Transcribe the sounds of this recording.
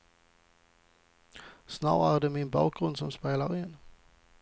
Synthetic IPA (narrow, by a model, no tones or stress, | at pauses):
sna̰wæːʁɖ̪ɛmɪnbɑːk̚ɡɾɵnd̪sɔmspeːlaɾɪnː